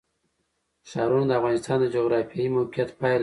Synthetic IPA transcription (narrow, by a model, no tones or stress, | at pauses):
ʃɑɾunod̪əavɣɑnɪst̪ɑnd̪əd͡ʒoɣɾɑfijɑimawqjat̪pɑl